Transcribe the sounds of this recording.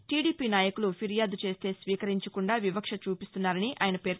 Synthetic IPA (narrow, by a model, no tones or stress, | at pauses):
ʈiːɖiːpiːnaːjɐkulupʰiɾijaːd̪ut͡ʃe̞ːst̪e̞ːsʋiːkɐɾiɲt͡ʃɐkuɳɖaːʋibɐkʂɐt͡ʃuːpist̪unːaːɾɐniʔa̰ːjnɐpe̞ːɾ